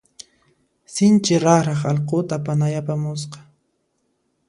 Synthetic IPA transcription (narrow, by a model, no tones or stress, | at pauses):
sɪnt͡ʃɪɾɑɾɑχɑlqot̪apanajapamʊs̬qɑ̥